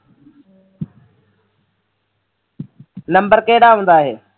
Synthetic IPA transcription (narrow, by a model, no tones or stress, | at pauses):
nəmbəɾkeːɽaːɦũːn̆d̪aːɦeː